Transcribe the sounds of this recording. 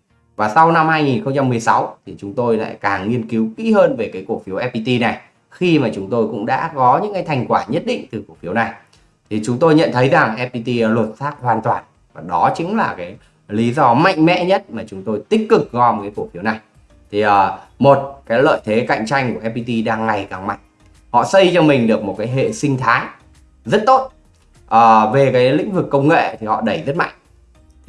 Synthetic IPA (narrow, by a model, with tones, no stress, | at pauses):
vaː˨˩sa˧wna˧mhaː˧jŋi˨˩nxə˧wŋ͡mt͡ɕa˧mːɨ˨˩əjsa˨˦wt̪ʰi˨˩t͡ɕʊ˨˦ŋ͡mt̪o˧jla̰ː˧˨jkaː˨˩ŋŋi˧ənki˨˦wkḭ˧˥həː˧nve˨˩kaː˨˦jku˧˩əfi˨˦əwʔɛ˦˧pi˧t̪i˧na˨˩j | xi˧maː˨˩t͡ɕʊ˨˦ŋ͡mt̪o˧jkʊ̰˧˥ŋ͡mɗa̰ː˧˥kɔ˨˦ɲɨ̰˧˥kaː˨˦jt̪ʰa˧˩jŋ̟kwaː˧˩ɲə˦˥t̚ɗḭ̈˧˨ŋ̟t̪ɨ˨˩ku˧˩əfi˨˦əwna˨˩j | t̪ʰi˨˩t͡ɕʊ˨˦ŋ͡mt̪o˧jɲə̰˧˨nt̪ʰə˨˦jza˨˩ŋʔɛ˧p̚i˧t̪i˧lwə˨˩t̚saː˦˥k̚hwaː˨˩nt̪waː˨˩n | vaː˨˩ɗɔ˨˦t͡ɕi˨˦ŋlaː˨˩kaː˨˦j | li˨˦zɔ˧ma̰˧˨jŋ̟mɛ̰˧˥ɲə˦˥t̚maː˨˩t͡ɕʊ˨˦ŋ͡mt̪o˧jt̪ï˦˥k̟̚kːɨ˨˩k̚zɔ˧m̚˨˩kaː˨˦ku˧˩fi˨˦wna˨˩j | t̪ʰi˨˩ʔəː˨˩mo˨˩t̚kaː˨˦jlə̰ː˧˨jt̪ʰe˨˦ka̰˧˨jŋ̟t͡ɕa˧jŋku˧˩əʔɛ˧pi˧t̪i˧ɗaː˧ŋːa˨˩jkaː˨˩ŋma̰˧˨jŋ̚ | hɔ̰˧˨sə˧jt͡ɕɔ˧mï˨˩ŋ̟ɗɨ˨˩ək̚mo˨˩kaː˨˦jɦḛ˧˨sï˧ŋ̟t̪ʰaː˨˦j | zə˦˥t̚t̪o˦˥t̚ | ʔəː˨˩ve˨˩kaː˨˦jlḭ̈˧˥ŋ̟vɨ˨˩kːə˧wŋ͡mŋḛ˧˨t̪ʰi˨˩hɔ̰˧˨ɗə˧˩jzə˦˥t̚ma̰˧˨jŋ̟